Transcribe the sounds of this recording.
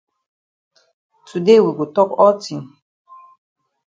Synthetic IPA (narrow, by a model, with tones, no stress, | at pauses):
tʰu˨de˦wi˨ɡo˨tɔ˦kɔ˦ltʰĩ˨m